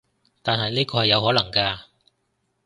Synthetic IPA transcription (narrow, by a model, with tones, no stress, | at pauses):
t̪aː˨nɦɐ˨jniː˥kɔː˧hɐ˨jːɐ˨˧wɦɔː˨˥lɐ˨˩ŋkaː˧